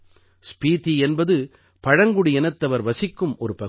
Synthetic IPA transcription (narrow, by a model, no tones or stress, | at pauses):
spiːt̪iɛnbɐðɯ | pɐɻɐŋɡɯɽijɛnɐt̪ːɐʋɐɾʋɐsɪkːɯmɔɾɯpɐ